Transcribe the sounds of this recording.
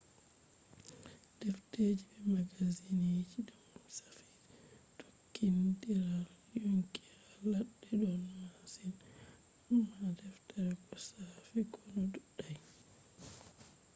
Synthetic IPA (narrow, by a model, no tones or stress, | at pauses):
d̥ɛfted͡ʒibɛmaɡazinid͡ʒiɗɔmsḁfi̥ | tʰokːindiɾal | juŋkiɾalaɗːɛɗɔnmasin | mːadɛftaɾɛkɔsafikʰɔnɔduɗaj